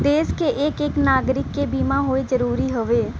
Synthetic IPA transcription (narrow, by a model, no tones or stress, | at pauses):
d̪eːskeʔɪkɪknaːɡɾɪkːeːbiːmãːɦoeːzəɾuːɾiːɦʊʋeː